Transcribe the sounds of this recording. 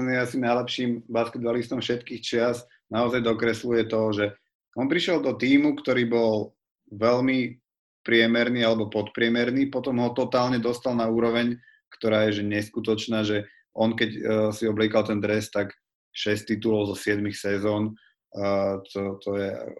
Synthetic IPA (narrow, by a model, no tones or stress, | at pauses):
niasinajlɛpʃiːmbaskɛd̪̚balist̪ɔmfʃɛt̪kiːxt͡ʃɪaz | naɔzajd̪ɔkɾɛslujɛt̪ɔʒɛ | ɔnpɾiʃɪɛld̪ɔt̪iːmukt̪ɔɾiːbɔl | ʋɛlmi | pɾɪɛmɛɾniːalɛbɔpɔt̪pɾɪɛmɛɾniːpɔt̪ɔmɦɔt̪ɔt̪aːlɲɛd̪ɔst̪alnauːɾɔʋɛɲ | kt̪ɔɾaːjɛʒɛɲɛskut̪ɔt͡ʃnaːʒɛ | ʔɔnkɛcsiɔbliɛkalt̪ɛnd̪ɾɛst̪ak | ʃɛst̪ːit̪ulɔʊzɔsɪɛd̪mixsɛzɔːn | t̪ɔt̪ɔjɛ